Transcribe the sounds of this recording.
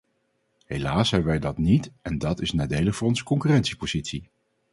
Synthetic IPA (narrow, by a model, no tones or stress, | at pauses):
ɦejlaːsɛbnʋɛjdɑtnitɛndɑtɪsnaːdejləχfʊːrɔnzəkɔŋkyrɛntsipoz̥itsi